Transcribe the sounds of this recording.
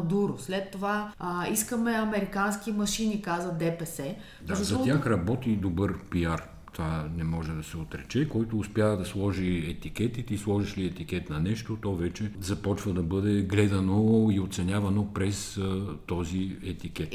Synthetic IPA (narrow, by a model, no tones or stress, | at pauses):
d̪uɾʊslɛt̪ːovaiskəmɛɐmɛɾikanskimɐʃinikazəd̪ɛpɛsɛ | d̪azzɐt̪jaxɾɐbɔt̪id̪obɤɾpiaɾ | t̪vanɛmɔʒɛd̪ɐsɛot̪ɾɛt͡ʃɛkɔjt̪oːspjavɐd̪ɐslˠɔʒiɛt̪ikɛt̪it̪islˠɔʒiʃliɛt̪ik̟ɛt̪nɐnɛʃt̪ot̪ɔvɛt͡ʃɛzɐpɔt͡ʃvɐd̪ɐbɤd̪ɛɡlɛd̪ɐnoiot̪sɛnʲavɐnopɾɛst̪ɔziɛt̪ikɛt̪